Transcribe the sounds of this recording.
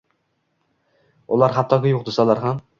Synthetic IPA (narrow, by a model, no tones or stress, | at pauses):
ṵlˠɑɾχɑt̪ʰːɑɡʲɛjoqd̪ɨsɑlˠɑɾʁɑ